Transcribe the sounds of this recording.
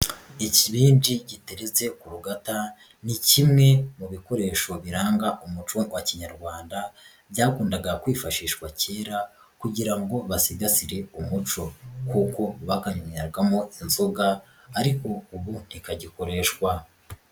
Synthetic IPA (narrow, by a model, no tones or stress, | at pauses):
iciβiːndiɟiteɾeze̞kuɾuɡata | nicimŋe̞muβiko̞ɾe̞ːʃo̞βiɾaːŋɡaʔumut͡ʃowaciɲaɾɡwaːnda | bjaːkuːndaɡakwiːfaʃiːʃkwace̞ːɾa | kuɟiɾaŋɡo̞βasiɡasiɾe̞umut͡ʃo̞kuko̞βakaɲumeɾɡamo̞inzoɡaː | ɾiko̞uβun̥ikaɟiko̞ɾe̞ʃkwa